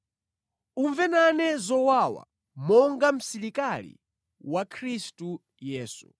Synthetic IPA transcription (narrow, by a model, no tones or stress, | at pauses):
uɱvɛnanɛzɔwawa̰ | mɔŋɡam̩siɾikalḭ | wakʰɾistu | jɛːsu̥